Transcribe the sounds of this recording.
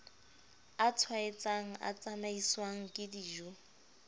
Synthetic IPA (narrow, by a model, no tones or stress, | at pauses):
at͡sʰwaɪt͡sʼaŋ̩ʔa̰t͡sʼamaiswaŋ̩kʼɪdiʒu